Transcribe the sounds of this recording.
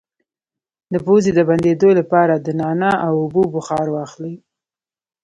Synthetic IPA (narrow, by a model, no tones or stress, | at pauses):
d̪əpozed̪əband̪ed̪olapɑɾad̪ənɑnaʔawʊbobʊxɑɾwɑxli